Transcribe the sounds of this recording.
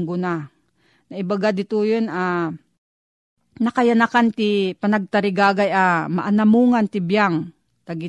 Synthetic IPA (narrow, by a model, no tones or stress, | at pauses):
ŋɡʊna | nɐɪbaɡad̪ɪt̪ujonʔa | nɐkajanakant̪ɪpanaɡ̚t̪aɾɪɡaːɡajama̰ʔanamuŋant̪ɪbjaŋ | t̪aɡɪ